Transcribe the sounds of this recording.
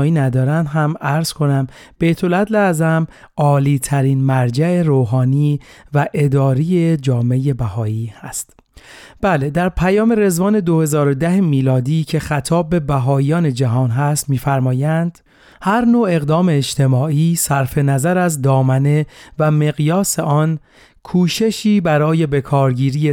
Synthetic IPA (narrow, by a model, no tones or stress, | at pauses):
iːnæd̪ɒːɾænd̪ɦæmæɾz̥kʰo̞næm | b̥e̞jt̪ʰo̞læd̪leæzæm | ɒːliːt̪ʰæɾiːnmæɾd͡ʒæeɾoːɦɒːniːvæʔe̞d̪ɒːɾije̞d͡ʒɒːme̞je̞bæhɒːiːhæst̪ | b̥æle̞d̪æɾpʰæjɒːme̞ɾe̞zvɒːne̞d̪o̞he̞zɒːɾod̪æɦemiːlɒːd̪iːcʰe̞xæt̪ʰɒːbːe̞bæɦɒːijɒːne̞d͡ʒæɦɒːnɦæst̪miːfæɾmɒːjænd̪̥ | hæɾnoːe̞ɣd̪ɒːme̞ːd͡ʒt̪ʰe̞mɒːiːsæɾfe̞næzæɾæzd̪ɒːmæne̞væme̞ɣjɒːse̞ʔɒːn | kʰuːʃe̞ʃiːbæɾɒːje̞be̞kʰɒːɾɟiːɾiːje